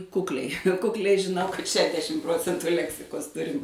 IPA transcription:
ˈkʊklʲɛɪ kʊkˈlʲɛɪ ʒʲɪˈnɐʊ kɐt ˈʃʲæːdʲɛʃʲɪm ˈproːt͡sʲɛntʊ ˈlʲæːksʲɪkoːs ˈtʊrʲɪm

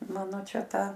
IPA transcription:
ˈmɑːnoː ˈt͡ʃʲɛ ˈtɑː

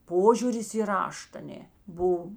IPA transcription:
ˈpoːʒʲuːrʲɪs iː ˈrɐʃt ɐˈnʲeː ˈbʊw

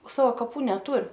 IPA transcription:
ˈsɑːʋɐ kɐˈpuː nʲɛˈtʊr

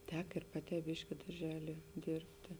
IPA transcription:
ˈtʲɛk ɪr ˈpɑːˌtʲɛː ˈbʲɪʃʲkʲɪ dɐrʲˈʒʲæːlʲiɛ ˈdʲeːrʲpʲtʲeː

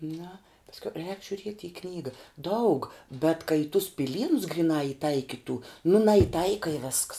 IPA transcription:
nɐ pɐsʲˈkʲɛʊ rʲɛːk ʒʲʊˈrʲiɛtʲ ɪ ˈknʲiːɡɐ ˈdɐʊk bʲɛt kɐ ɪ tʊs pʲɪˈlʲiːnʊs ɡrʲɪˈnɑː ɪˈtɐɪkʲɪtuː nʊ nɐjɪˈtɐɪkɐ ɪ ʋʲɛsks

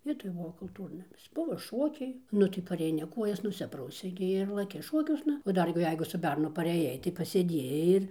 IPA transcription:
ˈʋʲiɛtoːj ˈbʊʋoː kʊlˠˈtuːrnɐmʲɪs ˈbʊʋoː ˈʃoːkʲɛɪ ˈnʊ tɐɪ pɐrʲɛɪˈnʲɪ ˈkuɔjɛs nʊˈsʲɪprɐʊsʲɛɪ ɡʲɪ ɪr lˠɐˈkʲɪ ˈʃoːkʲuɔsnɐ oː ˈdɐr ɡʲɪ ˈjɛɪɡʊ sʊ ˈbʲɛrnʊ pɐrʲɛˈjɛɪ tɐɪ pɐsʲeːˈdʲiɛjɛɪ ɪr

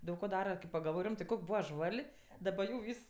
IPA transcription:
ˈdɐʊk koː ˈdɑːrɐ kɐɪp pɐɡɐlˠˈʋoːj ˈrʲɪmtɜ ˈkoːkʲ ˈbuːʋɐ ˈʒʋɐlʲ dɐˈbɐ jɛʊ ˈʋʲiːs

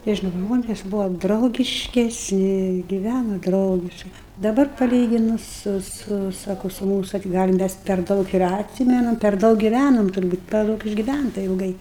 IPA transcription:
ˈtʲiɛ ʃ ˈʒmoːnʲeːs ˈbʊʋɐ drɐʊɡʲɪʃʲkʲɛsʲˈnʲɪ ɡʲɪˈʋʲænoː ˈdrɐʊɡʲɪʃkɐɪ dɐˈbɐr pɐˈlʲiːɡʲɪnʊs ˈsʊ ˈsʊ ˈsɑːkoː sʊ ˈmuːsʊ tɐɪ ɡɐlʲ ˈmʲɛs pʲɛr ˈdɐʊk ɪr ɐtʲˈsʲiːmʲɛnɐm pʲɛr ˈdɐʊk ɡʲɪˈʋʲænoːm tʊrˈbuːt pʲɛr ˈdɐʊk ɪʒʲɡʲɪˈʋʲæntɐ ɪlˠˈɡɐɪ

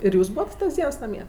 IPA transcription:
ɪr ˈjuːs ˈbuːʋɐt tɐs ˈdʲiɛns nɐˈmʲiɛ

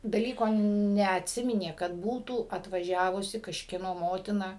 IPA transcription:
dɐˈlʲiːkoː nʲɛɐtʲˈsʲɪmʲɪnʲeː kɐt ˈbuːtuː ɐtʋɐˈʒʲæːʋʊsʲɪ kɐʃʲkʲiɛˈnoː ˈmoːtʲɪnɐ

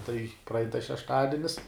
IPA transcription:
tɐɪ prɐˈɐɪn tɐs ʃʲɛʃˈtɑːdʲɪnʲɪs

